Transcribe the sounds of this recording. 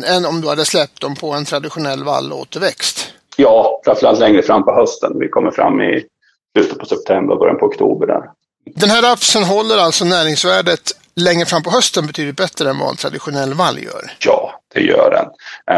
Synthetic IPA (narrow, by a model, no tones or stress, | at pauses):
ɛnɔmd̪ɵhad̪ːəslɛp̚t̪̚d̪ɔmpʰɔɛnt̪ʰɾad̪ɪɧʊnɛlːva̰lːo̰ːt̪əɾvɛkst̪ | jɑːfɾãnfœɾalt̪lɛŋɾəfɾamːpɔhœst̪ənvɪkʰɔmːəɾfɾa̰mːɪ̰ | slʉ̟ːt̪ət̪̚pʰɔsɛp̚t̪ʰɛmbəɾɔbœɾjanpʰɔɔkt̪ʰuːbəɖæ̰ɾ | d̪ɛnɦæːɾafsənɦɔlːəɾalt̪sɔnæːɾɪŋsvæːɖət̪ | lɛŋɾəfɾamːpʰɔɦœst̪ənbɛt̪ʰyːd̪ɪt̪̚bɛt̪ɾəɛnvɑ̰ɛ̰nt̪ʰɾad̪ɪɧʊnɛlːvalːjœ̰ːɾjɑːd̪̥ɛ̰jœ̰ːɖɛ̰n